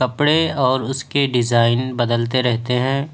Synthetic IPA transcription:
ɐpɽeɔːɾʊskeɖɪzaːɪnbɐd̪əlt̪eɾɛɦt̪eɦɛ̃ː

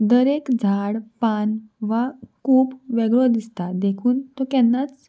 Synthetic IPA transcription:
d̪əɾekd͡zʱaɽpanʋakuːpʋɛɡɭod̪ist̪ad̪ekʰuːnt̪ɔkɛnːat͡s

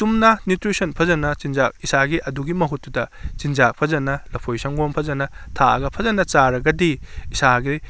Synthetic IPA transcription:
tumnɐnjutɾisɐnpʰɐzɐnɐt͡ʃind͡ʒak̚isaɡiʔɐduɡimɐɦutːudɐt͡ʃind͡ʒak̚pʰɐzɐnɐlɐpʰojsɐŋɡompʰɐzɐnɐtʰaɐ̰ɡɐpʰɐzɐnɐt͡ʃaɾɐɡɐdiːsaɡi

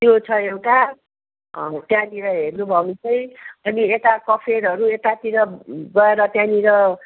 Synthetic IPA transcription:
t̪jot͡sʰʌewʈa | ʌ̰t̪janiɾʌɦernubʱʌnut͡sʰʌj̃ʌniet̪akʌpʰeɾɦʌɾuet̪at̪iɾʌɡʌeɾʌt̪janiɾʌ

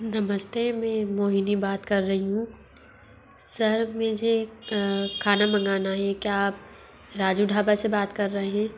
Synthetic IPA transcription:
nɐməst̪emɛ̃ːmoːɦinibaːt̪kɐɾːɐɦiɦũ | sɐɾmẽːd͡ʒʱe | kʰaːnamɐ̃ŋɡaːnaɦɛkjaːp̚ | ɾaːd͡ʒuɖʱaːbasebaːt̪kɐɾːɐɦeɦɛ̃ː

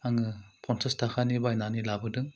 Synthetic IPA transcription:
aŋɯpʰɔnsɐstʰakʰanibajnanilabɯdɯŋ

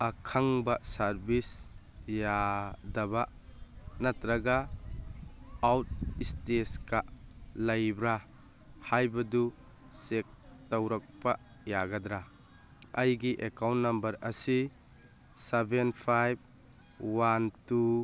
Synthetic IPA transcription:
akʰaŋbasaɾbis | jadaba | natɾaɡa | wt̚isteskalɐjbɾa | hajbɐdu | sek̚tawɾak̚pa | jaɡadɾa | ɐjɡiʔekawntnɐmbɐɾɐsi | sebʱenpʰajb̚ | wantu

